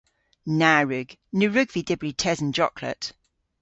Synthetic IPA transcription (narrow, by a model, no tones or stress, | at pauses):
naːɹʉɡ̥nʉɹʉɡvidɪbɹitʰɛzə̃nd͡ʒɒkʰlə̰t